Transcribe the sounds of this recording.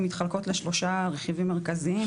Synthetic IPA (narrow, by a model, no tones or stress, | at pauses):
mit̪χalko̞t̪leʃlo̞ʃaʁeχivimːeʁkazii